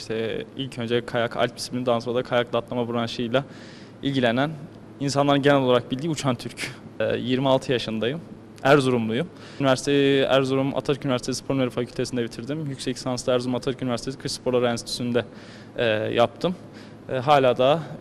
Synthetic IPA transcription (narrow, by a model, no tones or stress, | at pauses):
ʃt̪ʰɛilʲcʰø̞nd͡ʒɛkʰajakʰa̰lʲt̪bisi̥blʲind̪anoɾad̪akʰajaklˠat̪lˠamabuɾanʃɯjlˠa | ilʲɟilʲenæn | insanlˠaɾɯnɟe̞nɛloaɾak̚bilʲd̪iːut͡ʃʰant̪ʰyɾcːjiɾmialˠt̪ʰɯjaʃɯnd̪ajɯ | æɾzuɾumlˠuju | nivæɾsi̥t̪ʰeæ̰ɾzuɾuma̰t̪ʰaɾcynyvæɾsiespʰo̞ɾnmeɾɯfacʰylʲt̪esind̪ɛbit̪ʰiɾd̪imjycsɛcsansd̪æɾzuɾumat̪ʰaɾkynvæɾst̪ʰesikʰɯʃspo̞ɾlˠaɾɛnsit̪ʰy̥synd̪ɛ | ɛjap̚t̪ʰɯmː | ɦaːlʲaːd̪a